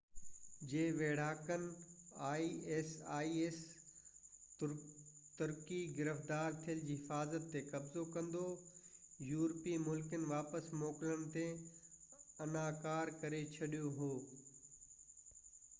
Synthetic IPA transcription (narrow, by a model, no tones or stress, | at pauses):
d͡ʑeːʋeːɽ̤aːkənɪ̆aːiesaːieːs | t̪ʊɾkiɡɪɾəfd̪aːɾt̪ʰijəld͡ʑiːɦɪfaːzət̪ːekɐbzokɐ̃nd̪o | juːɾpimʊlkənɪ̆ʋaːpəsmɔːkɪlənɪ̆t̪e | ɐnaːkaːɾkɐɾet͡ɕʰɐɗijoɦoː